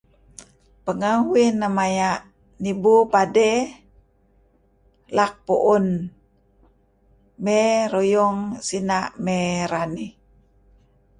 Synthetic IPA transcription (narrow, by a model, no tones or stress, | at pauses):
pəŋaɦwinːamajaʔ | nibupade | lak̚puʔun | meɾojɔŋsinaʔmeɾani